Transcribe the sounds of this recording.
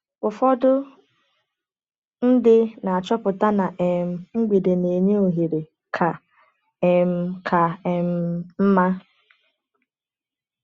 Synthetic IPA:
kʊ˨fɔ˦dʊ˦ | n̩˦dɪ˦na˨a˨t͡ʃɔ˦pʊ˨ta˦na˨ʔe˨m̩˨ŋ͡m̩˦ɡ͡bi˨de˨ne˨ɲe˦o˨ɦe˨ɾe˨ | kʰa˨ | e˨m̩˦kʰa˨m̩˦m̩˦ma˦

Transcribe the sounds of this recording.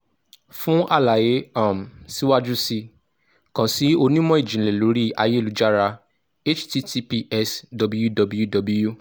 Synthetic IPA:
fũ˦ʔa˦˨la˨je˨˦a˦˨m̩˨si˨˦wa˦d͡ʒu˦si˧ | kã˨si˨˦o˧nĩ˦mɔ̃˦i˦˨d͡ʒĩ˨le˨lo˨˦ɾi˦a˧je˦˨lu˨˦d͡ʒa˦˨ɾa˧ | e˦t͡ʃti˦ti˦pi˧˦ʔɛ˦sdɔ˨˧bu˦ju˦dɔ˧bu˦ju˦dɔ˧bu˦ju˦

